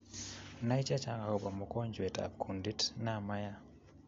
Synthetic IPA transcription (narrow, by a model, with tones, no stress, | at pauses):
na˦i˦t͡ʃa˦t͡ʃa˦ŋa˨ho˨ba˨mɔ˨ko˦ɲd͡ʒwe˨ta̰˨p̚kʰu˨ndi˦tna˦˨ma˦ja˦